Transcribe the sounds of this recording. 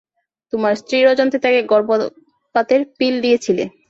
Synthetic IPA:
t̪omaɾst̪ɾiɾɔd͡ʑont̪it̪akeɡɔɾbo | pat̪eɾpilɖijet͡ɕʰilḛ

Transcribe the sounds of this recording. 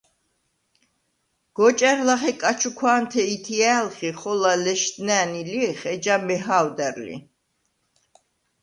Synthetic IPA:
ɡ̥ɔt͡ʃʼɛɾlaχɛkʼat͡ʃʰukʰwaːnt̪ʰɛit̪ʰiɛlχiχɔlalɛʃt̪nɛːniliχɛd͡ʒamɛɦawd̪ɛɾlḭ

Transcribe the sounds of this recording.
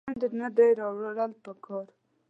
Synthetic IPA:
nd̪ənad̪ajɾɑwaɽəlpəkʰɑɾ

